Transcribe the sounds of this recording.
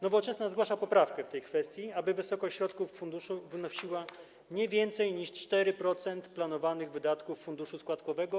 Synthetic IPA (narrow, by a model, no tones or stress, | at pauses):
nɔvɔt͡ʂɛsnazɡwaʂapɔpɾafkɛft̪ɛjkfɛst̪ʲjiabɘvɘsɔkɔɕɕɾɔt̪kufːund̪uʂuvnɔɕiwa | ɲɛvʲjɛnt̪sɛjɲiʂt͡ʂt̪ɛɾɘpɾɔt̪sɛnt̪planɔvanɘɣvɘd̪at̪kufːund̪uʂuskwat̪kɔvɛɡɔ